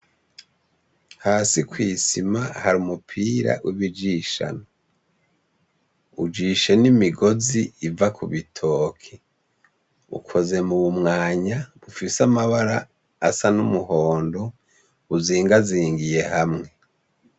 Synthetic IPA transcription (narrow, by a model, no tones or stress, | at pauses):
haːsikwiːsimahaɾumupʰiːɾa̰wʔiβid͡ʒiʃa̰no | ud͡ʒiːʃe̞nimiɡo̞ziːvakuβitʰo̞ːkʰe | ṵkʰo̞ze̞muβumŋaːɲaβufisamaβaɾaː | sanumuhoːndo | uziːŋɡaziːŋɡije̞hamŋe̞